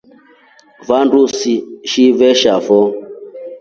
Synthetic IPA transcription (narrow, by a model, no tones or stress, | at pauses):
vandusiʃivɛʃafɔ